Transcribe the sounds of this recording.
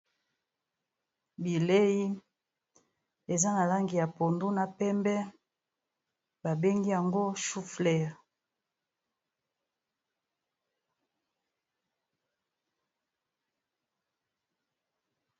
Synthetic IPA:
bi˨le˦ji˦ | e˨za˦na˨la˦ŋɡi˨ja˨po˨ndu˦na˨pɛ˦mbɛ˦ | ba˨be˦ŋɡi˦ja˨ŋɡo˦ʃu˦flɛ˦˨ʁ

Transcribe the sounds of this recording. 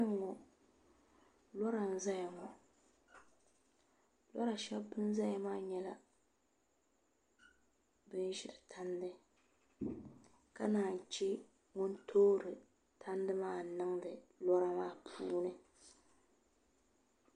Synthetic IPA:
ŋɔ˨ | lɔ˦ɾa˨n˦za˦ja˨ŋɔ˨ | lɔ˦ɾa˨ʃɛ˦bbɨ˦n˦za˦ja˨maː˦ɲɛ˦la˦ | bɨ˦n˦ʒɪ˨ɾɨ˨tʰa˦ndɨ˦ | ka˦naː˨t͡ʃɛ˦ | ŋʊ˦ntʰoː˦ɾɨ˨ | tʰa˦n˦dɨ˦maː˦˨nɨ˦ŋdɨ˨lɔ˦ɾa˦maː˦pʰuː˦nɨ˦

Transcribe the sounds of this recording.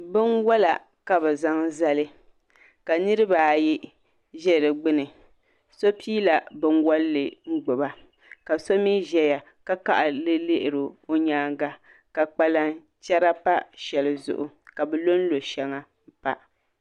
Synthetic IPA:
bɨ˦nwɔ˦la˨ | ka˦bɛ˨za˦ŋza˦lɨ˦ | ka˨nɨ˦ɾɨ˦ba˨ji˦ | ʒɛ˦˨ɨ˨ɡ͡bɨ˦nɨ˨ | so˦pʰiː˦la˨bɨ˦nwɔ˦lːɨ˨ŋ͡m̩˦ɡ͡bʊ˨ba˦ | ka˨so˦mi˦ʒɛ˨ja˨ | ka˦ka̰˨ʔa˨lɨ˦lɪ˦ʔɪ˨ɾo˨o˦ɲaː˦ŋ˦ɡa˦ | ka˨k͡pa˦la˦ | t͡ʃɛ˦ɾa˦pa˦ʃɛ˨lɨ˨zʊ̰˨ʔʊ˨ka˨bɛ˨lo˦n̩˦lo˨ʃɛ˦ŋa˨ | m̩˦pa̰˦ʔ

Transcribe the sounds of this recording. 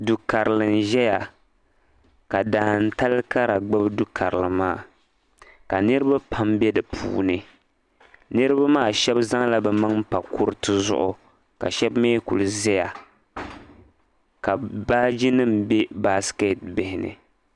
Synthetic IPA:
du˨ka˨ɾɨ˨lɨ˨n˨ʒɛ˦ja˨ | ka˨daː˨n̩˦ta˦lka˦ɾa˨ɡ͡bɨ˦bdu˦kʰa˨ɾɨ˨lɨ˨maː˦˨ | ka˨nɨ˦ɾɨ˦ba˦pʰa˦mbɛ˦dɨ˨pʰṵː˨nɨ˨ | nɨ˦ɾɨ˦ba˦maː˦˨ʃɛ˦bza˦ŋla˦bɛ˨ma˦ŋm̩˦pa˨kʊ˦ɾɨ˦tɨ˦zʊ̰˦ʔʊ˨ | ka̰˨ʃɛ˦bmeː˦ku˨lɨ˨zɛ˦ja˨ | ka˨ba˦d͡ʒi˦nɨ˦m˨bɛ˦ba˦ske˦˨t̚bɪ˨hɪ˨nɨ̰˨

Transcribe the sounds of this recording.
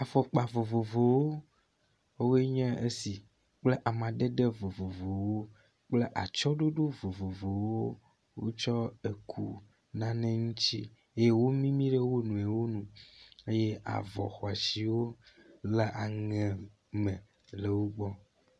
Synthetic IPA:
a˨fɔ˨k͡pa˨vo˨vo˨vo˨wo˦ | we˦ɲɛ̃˦e˦si˨ | k͡ple˦ʔa˨mã˨ɖe˦ɖe˦vo˨vo˨vo˨wo˦ | k͡ple˦ʔa̰˨t͡ʃɔ˦ɖo˦ɖo˦vo˨vo˨vo˨wo˦ | wo̰˦t͡ʃɔ˦e˨kʰṵ˦ | nã˦nɛ̃˦ŋũ˦t͡ɕi˦ | e˦je˦wo˦mĩ˦mĩ˦ɖe˦wo˦nũ˨e˨wo˦nũ˨e˦jɛ˦ʔa̰˨vɔ̰˨xɔ˨a˨si˨wo˦le˨ʔa˨ŋɛ̃˨ | mɛ̃˨ | le˨wo˦ɡ͡bɔ˦

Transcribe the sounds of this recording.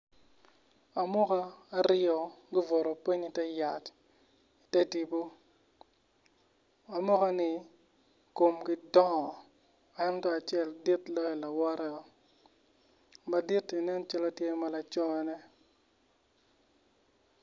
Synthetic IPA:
a˨mɔ˦kaː˦˨ɾɪ˦ɔ˨ɡɪ˦vɔ˨ɾo˨pi˦ɲi˦tɛ˦ja˨t | i˨tɛ˦ti˨bo˦ | a˨mɔ˦ka˦nɪ˨ | ko˨mɡɪ˦dɔ˦ŋɔ˨ | ɛ˦ntɔ˦a˨t͡ʃɛ˦˨ldi˦tlɔ˦jɔ˨la˨wɔ˦ɾɛ˦ɔ˨ | ba˨di˦ti˨nɛ˦nt͡ʃa˦lɔ˦tje˦ma˦la˨t͡ʃɔ˦jɔ˦nɛ˦

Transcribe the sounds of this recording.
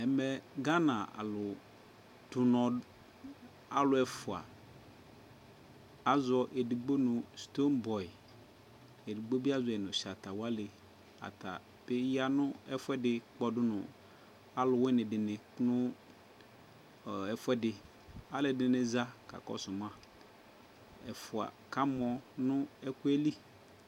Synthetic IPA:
ɛ˨mɛ˨ɡa˦nã˨a̰˨lʊ˨ | d̥ʊ˨nɔ̃˨ | a˨lʊ˨ɛ˨fʊ˨a̰˨ | a˦zɔ˨ʔe˨di˨ɡ͡bo˦nʊ̃˨st̪o˦nbɔ˨i˨ | e˨di˨ɡ͡bo˦bi˦a˦zʊ˨ɛ˨nʊ̃˨ʃa˨t̪a˨wa˦lɪ˨ | a̰˨t̪a̰˨ | pe˦ja˦nʊ̃˦ɛ˦fʊ˦ɛ˦dɪ˨k͡pɔ˨dʊ˦nʊ̰̃˨ | a˦lʊ˨wɛ˦nɪ̃˨dɪ˨nɪ̃˨nʊ̃˦˨ | ɛ˨fʊ˦ɛ˦dɪ˨ | a˦lɪ˨dɪ˨˦nɪ̃˨za˦ka̰˨kɔ̰˦sʊ˨m˦ã˦ | ɛ˨fʊ˨a̰˨ka˦m˦ɔ˨nʊ̃˦ɛ˦kʊ˦ɛ˦li˦

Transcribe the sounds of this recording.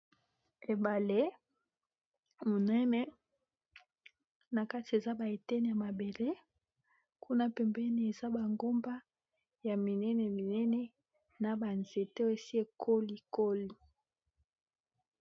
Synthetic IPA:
e˨ba˨le˦ | mo˨nɛ˦nɛ˦ | na˨ka˦ti˨e˨za˦ba˨e˨tɛ˦ni˨a˨ma˨be˨le˦ | kʰu˦na˦pɛ˨mbɛ˦ni˨e˨za˦ba˨ŋɡo˦mba˦ | ja˨mi˨nɛ˦nɛ˨mi˨nɛ˦nɛ˦ | na˨ba˨nze˨te˦o˦e˨si˦e˨kʰo˦li˨ko˦li˨

